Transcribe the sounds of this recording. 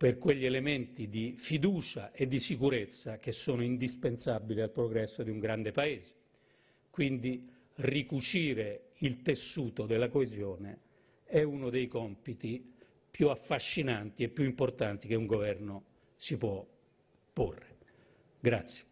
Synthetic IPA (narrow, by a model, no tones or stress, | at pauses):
perkweʎːielement̪id̪ifid̪uːt͡ʃaʔed̪ːisikuɾet̪sːak̟esːɔːnʊind̪ispensabilialpɾoɡɾɛsːod̪iuŋɡɾand̪epaeːze̥ | kwind̪i | rikut͡ʃiːɾeilt̪esːuːt̪od̪elːakoezjɔːne | ɛunod̪ejkɔmpit̪i | pjuafːaʃːinant̪iɛpːjuimport̪ant̪ik̟euŋɡovɛrno | sipwɔ | pːo̰rːe | ɡɾat̪sːje̥